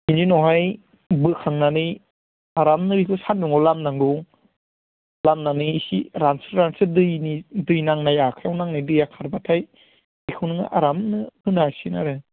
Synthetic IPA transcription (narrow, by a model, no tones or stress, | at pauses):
ininɔɦaj | bɯkʰaŋnanɯj | aɾamnɯɾikʰɯsanduŋawlamnaŋɡu | lamnaniːsḭɾansɯɾɾansɯdɯjnidɯjnaŋnajakʰawnaŋnidɯjakʰaɾbatʰaj | ikʰɯwnɯŋa̰ʔa̰ɾamnɯhɯnaɾsina̰ɾɯ